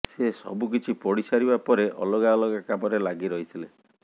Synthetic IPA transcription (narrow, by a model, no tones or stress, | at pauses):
sesɔ̰bukit͡ʃʰipɔɽisaɾibapɔɾeʔɔ̰lɔɡaɔlɔɡakamɔɾelaɡiɾɔɦit̪ʰile